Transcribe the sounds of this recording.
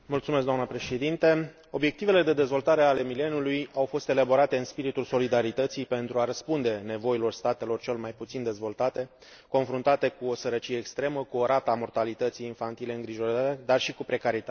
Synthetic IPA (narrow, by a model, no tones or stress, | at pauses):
mult̪sumeskd̪oamnəpɾe̞ʃe̞d̪int̪e | o̞bje̞kt̪ive̞le̞d̪e̞d̪e̞zvo̞lt̪aɾe̞ale̞mile̞nulujawfo̞st̪e̞labo̞ɾat̪e̞ɨnspiɾit̪ulso̞lid̪aɾit̪ət̪sijpe̞nt̪ɾuaɾəspund̪e̞ne̞vo̞ilo̞rst̪at̪e̞lo̞rt͡ʃe̞lmajput̪sind̪e̞zvo̞lt̪at̪e̞ | ko̞nfɾunt̪at̪e̞kuosəɾət͡ʃije̞ːkst̪ɾe̞məkuoɾʔat̪amo̞rt̪alit̪ət̪sijːnfant̪ile̞ɨŋɡɾiʒo̞ɾaed̪arʃikupɾe̞kaɾit̪at̪